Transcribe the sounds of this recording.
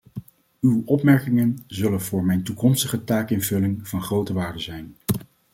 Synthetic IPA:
ywɔpmɛɹkɪŋənzɵlənvʊːɹmɛjntukɔmstəχətaːkɪnvɵlɪŋv̥ɑnχrowtəʋaːɹdəzɛjn

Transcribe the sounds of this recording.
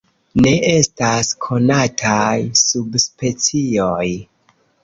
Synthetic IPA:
ne̞ʔe̞staskʰo̞natʰajsubspe̞t͡sio̞j

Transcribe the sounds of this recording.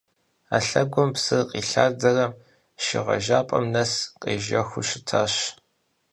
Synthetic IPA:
a̰ːɬɐɡʷʊmpsɨrqʼiːɬaːrd͡zɐrɐm | ʃɪ̰ʁɐ̰ʒaːpʼɐ̰mnɐsqʼḛːʒɐxʷʊʃɪtʰaːɕ

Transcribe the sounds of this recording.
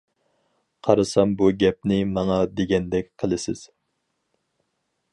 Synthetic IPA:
qʰɑɾɨsɑmbuɡʲɛp̚nɪmɑŋɑd̪eɡʲɛnd̪ɛkʲqʰəlˠɨsɪz̥

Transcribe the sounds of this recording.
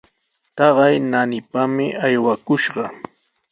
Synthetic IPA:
t̪ɑɢɑjnanɪpamɪʔajwakʊʃɢɑ

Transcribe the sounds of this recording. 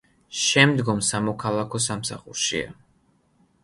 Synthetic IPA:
ʃɛmd̪ɡɔmsamɔkʰalˠakʰɔsamsaχṵɾʃḭa̰

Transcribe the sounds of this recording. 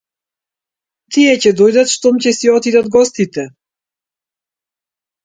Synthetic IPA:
t̪iɛcɛd̪ɔjd̪at̪ʃt̪ɔmcɛsiɔt̪id̪ad̪ɡɔst̪it̪ɛ

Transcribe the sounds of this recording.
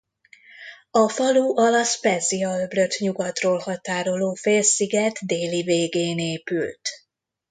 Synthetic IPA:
ɒfɒluʔɒlɒspɛziɒløbløt̪ɲuɡɒt̪roːlhɒt̪aːɾo̞loːfeːlsiɡɛt̪d̪eːliveːɡeːneːpylt̪

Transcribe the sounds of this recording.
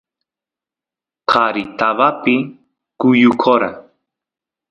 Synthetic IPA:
kʰaɾit̪aβapɪ | kʊjʊkʰoɾa̰

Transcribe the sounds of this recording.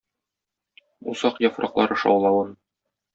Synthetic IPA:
usɑqjɒfɾʔɑqlˠɑɾɤ̆ʃɑ̰wlˠɑwɤn

